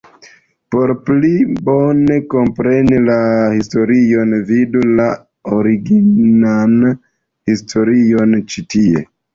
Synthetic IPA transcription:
po̞ɾplibone̞ko̞mpɾe̞nilahisto̞ɾionvidula | oɾiɡinan | histʰo̞ɾio̞nt͡ʃitie̞̰

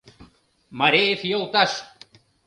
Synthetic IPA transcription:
maɾefiolˠt̪aʃ

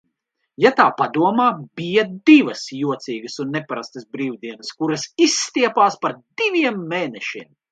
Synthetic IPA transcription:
jat̪aːpad̪uɔmaːb̥ijɐd̪ivɐsjuɔt̪siːɡɐsunːepaɾast̪ɐsbɾiːwd̪iɛnɐskuɾɐsisːt̪iɛpaːspaɾd̪ivʲiɛmːeːnɛʃiɛm

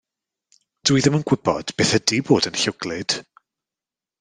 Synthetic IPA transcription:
d̥wiðəmənɡ̥wɪb̥ɔ̰d̥b̥eːθədiboːdənɬʊɡ̥lɪd̥

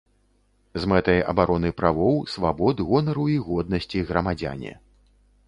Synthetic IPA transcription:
zmɛt̪ɐjɐ̰baɾʔɔnɨpɾavɔwsvabɔd̪ɣɔnɐɾuiɣɔd̪nɐsʲt͡sʲiɣɾɐmad͡zʲa̰nʲɛ̰

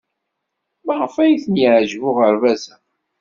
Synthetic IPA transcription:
məʁəfæjiθənjəʕʒvʊʁəɾvæzæ

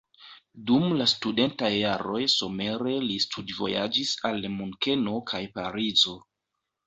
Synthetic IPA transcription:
dumlastude̞ntajːaɾo̞jso̞me̞ɾe̞listʰudvo̞̰ja̰d͡ʒisalmuŋke̞no̞kʰajpaɾizo̞

